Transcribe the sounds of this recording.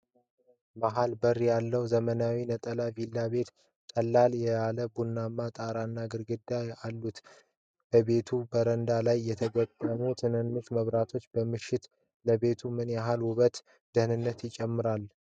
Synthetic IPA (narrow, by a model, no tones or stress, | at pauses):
maɦalbərːjalːəwzəmənawinət̪ʼəlavilːabe̞t̪ | t̪ʼəlːaljɛjaləbunːamːat̪ʼaɾanːaɡɨɾɡɨd̪ːajalːut̪ | b̥əβe̞t̪ʰubəɾənd̪alajːɛt̪ʰəɡət̪ʼːəmut̪ʰɨnɨnːuʃməβɾat̪ʰo̞t͡ʃːbəmɨʃːɪt̪ | ləbe̞t̪ʰumɨnjaɦalwʊβət̪ | d̪̥ɨhnɨnːət̪jɪt͡ʃʼɛmːɨɾal